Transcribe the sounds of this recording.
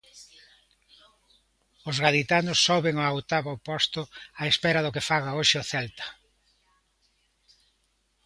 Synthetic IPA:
ʊzɣaðit̪anʊsːoβeŋoawt̪aβopɔst̪ʊaespɛɾɐðʊkɪfaɣaoʃɪoθɛlt̪ɐ̥

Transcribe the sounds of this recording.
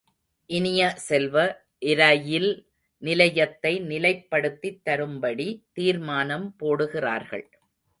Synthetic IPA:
ʔɪnɪjɐsɛlʋɐ | ʔɪɾɐjɪl | nɪlɐjɐt̪ːɐɪnɪlɐɪpːɐɽɯt̪ːit̪ːɐɾɯmbɐɽit̪iːɾmaːnɐmpoːɽɯɣɪra̰ːɾɣɐ̰ɭ

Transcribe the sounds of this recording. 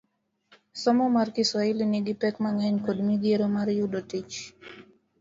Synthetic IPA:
sɔmɔmarkɪsɔiliniɡipɛkmaŋɛɲkodmiɡieɾomaɾjudotit͡ʃ

